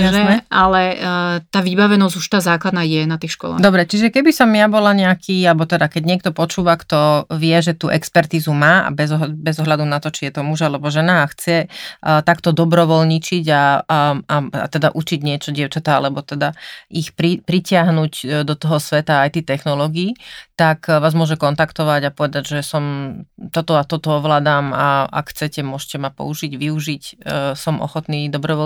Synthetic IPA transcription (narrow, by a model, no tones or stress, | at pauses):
ʒɛmɛʔalɛt̪aːʋibaʋɛnɔzuʃt̪aːzaːklad̪naːjɛnat̪iːxʃkɔ̰la̰d̪ɔbɾɛt͡ʃiʒɛkɛbisɔmjabɔlaɲɛakʰiːalɛbɔt̪ɛd̪akɛɟɲɪɛk̚t̪ɔpɔt͡ʃuːʋakt̪ɔʋɪɛʒɛt̪uːʔɛkspɛɾt̪iːzumaːa̰bɛzɔɦbɛzɔɦlad̪unat̪ɔt͡ʃijɛt̪ɔmuʒalɛbɔʒɛnaːxt͡sɛt̪akt̪ɔd̪ɔbɾɔʋɔlɲit͡ʃiɟa | aa̰t̪ɛd̪aʔut͡ʃiɟɲɪɛt͡ʃɔɟɪɛʊt͡ʃat̪aa̰lɛbɔt̪ɛd̪aixpɾipɾicɪaɦnuɟd̪ɔt̪ɔɦɔsʋɛt̪aːjt̪ɛːt̪ɛxnɔlɔɡiːt̪akʋaːzmʊɔʒɛkɔnt̪akt̪ɔʋaɟapɔʋɛd̪aɟʒɛsɔmt̪ɔt̪ɔat̪ɔt̪ɔɔʋlaːd̪aːmaa̰kxt͡sɛcɛmʊɔʃcɛmapɔ̰uʒiɟʋiuʒicsɔmʔɔ̰xɔt̪niːd̪ɔbɾɔʋɔ